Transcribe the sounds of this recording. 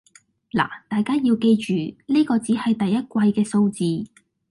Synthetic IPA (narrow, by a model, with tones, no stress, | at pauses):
la̰ː˨˩t̪aː˨jkaː˥jiː˧wke˧jt͡ʃyː˨˩nliː˥kɔː˧t͡siː˨˥hɐ˨jt̪ɐ˨jːɐ˥t̚kʷwɐ˧jkɛː˧so˧wt͡siː˨˧